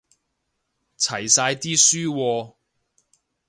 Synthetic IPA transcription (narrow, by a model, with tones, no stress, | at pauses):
t͡sʰɐ˨˩jsaː˧jt̪iː˥syː˥wɔː˧